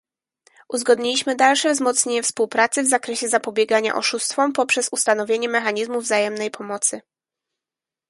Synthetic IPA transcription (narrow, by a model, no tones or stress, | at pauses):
ʔuzɡɔd̪ɲilʲiɕmɘd̪alʂɛvzmɔt̪sɲeɲɛfspuwpɾat̪sɘvzakɾɛɕɛzapɔbʲjɛɡaɲa̰ʔɔ̰ʂust̪fɔmpɔpʂɛsust̪anɔvʲjeɲɛmɛxaɲizmuvzajɛmnɛjpʰɔmɔt̪sɘ